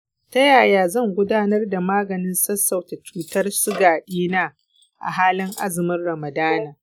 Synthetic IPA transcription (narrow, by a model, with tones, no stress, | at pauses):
ta˦jaː˨jaː˨zɐ˦˨ŋɡʷʊ˦daː˦nɐ˦rda˨maː˦ɡɐ˨nɪ˦nsɐ˦sːɐ˨wta˨t͡ʃuː˦tɐ˦rsʊ˦ɡaː˨ɗiː˦naː˦ | ʔa̰˨ɦaː˦lɪ˦ŋʔa˦zɪ˨mɪ˦rɽɐ˨mɐ˨daː˦naː˨